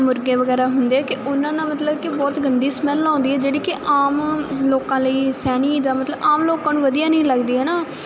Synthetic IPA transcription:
mʊɾɡeːʋəɡɛːɾaːɦʊnd̪eːɛːkɪʔʊnãːnãːmət̪ləbkɪbɔːt̪ɡənd̪iːsmɛlãːnd̪iːɛːd͡ʒeːɽiːkɪʔaːmloːkãːləiːsɛːñiːd̪aːmət̪ləbaːmloːkãːnũːʋəd̪ijãːnəĩːləɡd̪iːɦɛːnaː

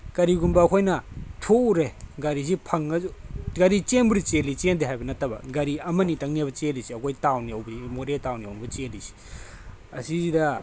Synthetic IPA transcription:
kɐɾiɡumbɐɐkʰojnɐtʰouɾeɡɐɾizipʰɐŋɐɡaɾit͡ʃenbuɾit͡ʃelit͡ʃendiɦajbɐnɐtːɐbɐ̰ɡɐɾiɐmɐnitɐŋniabɐt͡ʃelisiɐkʰojtawniɐwbɐimoɾetawniɐ̰wnbɐt͡ʃelisi̥ | ɐsizidɐ

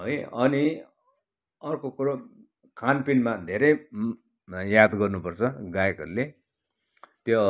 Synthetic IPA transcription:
ɦʌjʌni | ʌrkokuɾo | kʰanpinmad̪ʱeɾʌj | jad̪ɡʌrnupʌrt͡sʰʌɡajekɦʌɾule | t̪jo

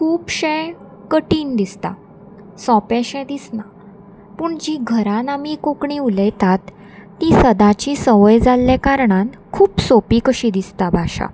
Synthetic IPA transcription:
kʰuːpɕɛ̃ | kəʈiːnd̪ist̪a̰ | sɔ̃pɛ̃ɕɛ̃d̪isna | puːɳd͡ʑiɡʱəɾãnamikokɳĩuləjt̪at̪ː | isəd̪ãt͡ɕisəʋəjd͡zalːɛkaɾɳãnkʰuːpsopikəɕid̪ist̪abʱaɕa̰

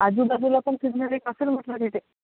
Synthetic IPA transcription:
ad͡ʑuːd̪ad̪ulapəɳsiɡnəɾikəselm̤əʈlak̪iʈe

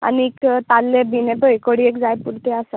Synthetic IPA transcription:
a̰niːkt̪alːebinɛp̪əekəɽiekd͡zajpuɾt̪ɛasa

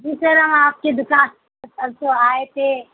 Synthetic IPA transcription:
d͡ʒiːsəɾɐmaːp̚ked̪ʊkãːs | sɐb̚t̪oaːet̪ʰe

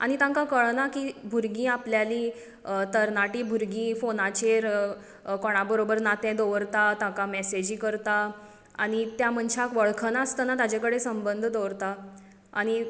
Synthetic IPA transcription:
a̰ɽ̃it̪ãŋkãkəɭnakiːbʱuɾɡĩːapljalĩ | t̪əɾnaʈiːbʱuɾɡĩːfonat͡ɕeɾ | kɔɽ̃abəɾobəɾnat̪ɛ̃d̪oʋəɾt̪at̪ãkamɛsed͡ʑiːkəɾt̪a | aɽ̃it̪jam̤əɳɕʰakʋəɭkʰənast̪ənat̪ad͡ʑakəɽesəmbənd̪ʱd̪oɾt̪a | a̰ɽ̃i

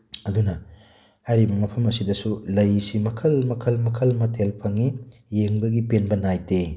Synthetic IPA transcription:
ɐdunɐ | hajɾibɐmɐpʰɐmɐsidɐsulɐjsimɐkʰɐlmɐkʰɐlmɐkʰɐlmɐtʰelpʰɐŋijeŋbɐɡipenbɐnajte

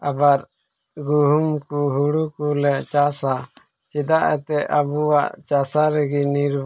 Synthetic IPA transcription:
abaɾ | ɡuɦumkuɦuɽukulɛʔt͡ʃasa | t͡ʃɛd̪aʔɛ̰t̪ɛabuwaʔt͡ʃasaɾɛɡiniɾb

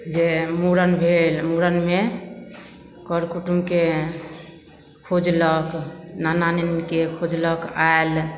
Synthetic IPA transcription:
d͡ʒemuɾənbʱelmuɾənme | kɔɾkuʈumke | kʰod͡ʒləknananenkekʰod͡ʒləkael

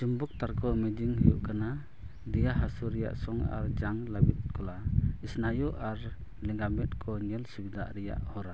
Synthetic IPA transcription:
d͡ʒumbuk̚t̪aɾkʰɔmɛd͡ʒiŋhujuʔkana | d̪ɛjaɦasuɾɛja̰ʔsɔŋa̰ɾd͡ʒaŋlabit̪̚kɔlaisnajuʔaɾ | lɛŋɡamɛt̪̚kʰɔɲɛlsibid̪a̰ʔɾɛja̰ʔhɔɾa

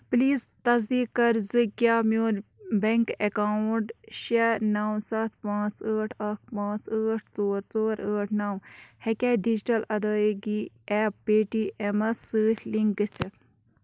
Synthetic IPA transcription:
pliːz | t̪ɐzd̪iːkːɐɾzɨkjaːmoːɾbeŋkekawuɳʈʃenawsɐt̪ʰpãːt͡səːʈʰɐkpãːt͡səːʈʰt͡soːɾt͡soːɾəːʈʰnawhekʲeːɖid͡ʒiʈɐlɐd̪ɐːɡi | ɛːp̚ːeːʈiːʔemɐsɨːtʰliŋɡɡɨt͡sʰe

